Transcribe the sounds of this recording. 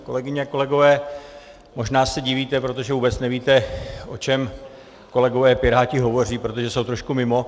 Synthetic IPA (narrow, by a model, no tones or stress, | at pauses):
ko̞lɛɡɪɲɛako̞lɛɡo̞vɛː | mo̞ʒnaːsɛɟɪviːt̪ɛpɾo̞t̪o̞ʒɛvuːbɛt͡snɛviːt̪ɛʔo̞̰t͡ʃɛm | ko̞lɛɡo̞vɛːpɪɾaːcɪɦo̞vo̞r̝iːpɾo̞t̪o̞ʒɛso̞wt̪ɾo̞ʃkumɪmo̞